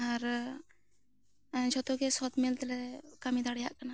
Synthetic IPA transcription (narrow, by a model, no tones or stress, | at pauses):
aɾ | d͡ʒɔt̪okesɔt̪milt̪ɛlɛkamid̪ʱaɽjaʔkana